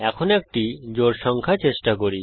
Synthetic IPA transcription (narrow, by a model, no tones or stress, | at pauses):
ɛkʰonek̚ʈid͡ʑoɾʃɔŋkʰat͡ɕeʃʈakoɾi